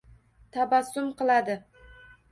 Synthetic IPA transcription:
t̪ʰabasːʊmqɨlˠad̪ɪ

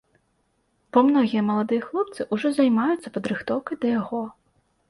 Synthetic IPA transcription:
pɐmnɔɣʲijɐmɐlˠad̪ɨjɐxlˠɔp̚t̪sɨʔuʐɔzɐjmajʊt̪sːɐpɐd̪ɾɨxt̪ɔwkɐjd̪ɐjaɣɔ

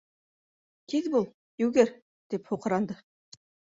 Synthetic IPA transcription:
kʲʰed̪bulˠ | jɵwɡʲeɾ | d̪̥ephuqəɾɑnd̪ə

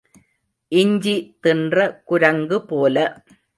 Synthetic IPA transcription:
ʔɪɲd͡ʒit̪ɪndrɐkʊɾɐŋɡɯpoːlɐ

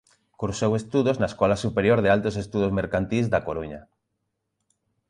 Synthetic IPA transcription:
kuɾsowest̪uðoznaeskɔlasupeɾjoɾðealt̪osest̪uðozmeɾkant̪izd̪akoɾuɲa̰

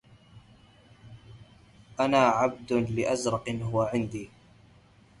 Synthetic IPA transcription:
ʔanaːʕab̚d̪ʊlɪʔazɾˤɑqnɦʊwaʕɪnd̪iː

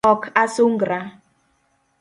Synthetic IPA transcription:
ɔkasoŋɡɾa

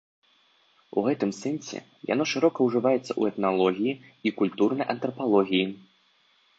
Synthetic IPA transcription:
ṵɣɛt̪ɨmsɛnsʲɛ̰ | ja̰nɔʂɨɾɔkɐwʐɨvajɛt̪sːɐʔṵɛt̪nalˠɔɣʲijiikulʲt̪urnɐjʔɐnt̪ɾɐpalˠɔɣʲiji

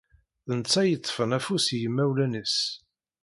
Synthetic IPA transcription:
θənət͡sːæjət̪ˤːfənæfusjəmːæwlænis

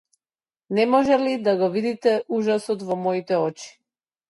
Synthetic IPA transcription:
nɛmɔʒɛlid̪aɡɔvid̪it̪ɛuʒasɔt̪vɔmɔit̪ɛɔt͡ʃi̥

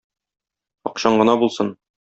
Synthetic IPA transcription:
ɒ̰qɕɑɴɢɤ̆nɑbulˠsɤn

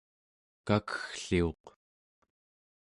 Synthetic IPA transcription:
kakə̥xɬio̞q

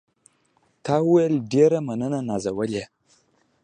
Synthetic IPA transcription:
taweldiaɾamanananazawalja

